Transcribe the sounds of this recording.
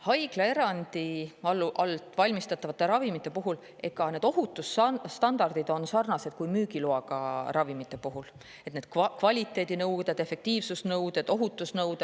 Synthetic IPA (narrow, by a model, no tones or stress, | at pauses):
hɑjɡ̥lɑe̞ɾɑnd̪iɑlːʔɑlt̪ˑvɑlʲmist̪ɑt̪ːˑɑvɑt̪ːe̞ɾɑvimit̪ˑːe̞puɦul | e̞ɡ̥ɑne̞ːd̪̥o̞ɦut̪ːˑusst̪ɑnd̪̥ɑrd̪̥id̪̥o̞nsɑrnɑse̞d̪̥̚kujmyːɡiloɑɡɑrɑvimit̪ːe̞puɦul | et̪ned̪̥̚kkvɑlʲit̪ːˑe̞ːd̪inɤ̞wd̪ed̪̥e̞fe̞k̚t̪iːvsusnɤwd̪̥e̞d̪̥o̞ɦut̪ːˑusnɤwd̪̥e̥